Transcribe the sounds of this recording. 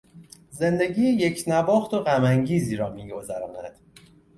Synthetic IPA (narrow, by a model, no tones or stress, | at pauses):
ze̞nd̪e̞ɟiːjeje̞cʰnæbɒːxt̪o̞ɣæmæŋɟiːziːɾɒːmiːɡo̞zæɾɒːnæ̰d̪̥